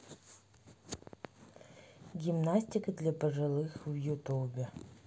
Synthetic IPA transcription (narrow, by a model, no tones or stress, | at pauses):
ɡʲimnasʲtʲɪkəd̪lʲapəʐɨlˠɨxvjut̪ubʲɪ